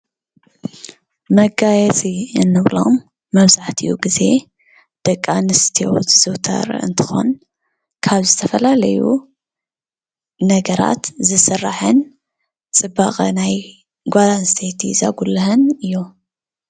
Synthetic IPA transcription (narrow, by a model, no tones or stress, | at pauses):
mɐɡajɛt͡sʼiɨnːɨβlo̞̰mː | ɐβzaħt̪ʰiʔṵɡize̞ | d̪̥ɐkʼːanɨst̪ʰijo̰wzɨz̥ɨwt̪ʰɐ̰ɾɨ̰nt̪ʰɨ̥xo̞̰n | kʰaβzɨt̪ʰɐfɐlalɐjṵ | nɐɡɐɾa̰t̪zɨsɨrːa̰ħɨn | t͡sʼɨbaχʼɐ̰naj | ɡʷazanɨst̪ʰet̪ʰḭza̰ɡulɐɦɨnɨjːu